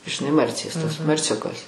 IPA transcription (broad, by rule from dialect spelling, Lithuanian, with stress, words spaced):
ʒʲɪˈnɐɪ ˈmɐrʲt͡sʲeːs tɐs mɐrʲˈt͡sʲʊkɐs